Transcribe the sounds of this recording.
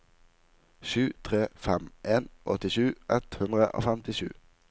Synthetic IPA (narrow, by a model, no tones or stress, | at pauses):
ʃʉːt̪ʰʁeːfɛmʔeːnʔɔt̪ɪʃʉːʔɛt̪hʉnd̪ʁəʔo̰ːfɛmt̪ɪʃʉ̰ː